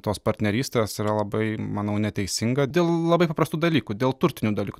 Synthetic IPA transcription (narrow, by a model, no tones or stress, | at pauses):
t̪oːspɐɾʲt̪ʲnʲɛɾʲiːsʲt̪ʲeːsiɾɐlˠɐbɐɪmɐnɐʊnʲɛt̪ʲɛɪsʲɪŋɡɐd̪ʲeːlˠlˠɐbɐɪpɐpɾɐst̪uːd̪ɐlʲiːkud̪ʲeːlˠt̪ʊɾʲt̪ʲɪnʲuːd̪ɐlʲiːku